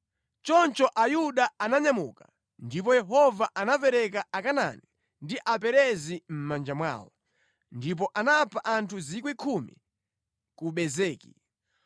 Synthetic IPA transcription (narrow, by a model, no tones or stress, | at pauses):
t͡ʃɔnt͡ʃɔʔajuɗaanaɲamṵːka | ndip̬ɔjɛɦɔvaʔanapɛɾɛk̬aakana̰ni | ndiʔapɛɾɛzim̩mand͡ʒamwa̰ːwɔ̰ | ndip̬ɔʔanapʰaʔantʰuzik̬wikʰumḭ | kuɓɛzɛːkḭ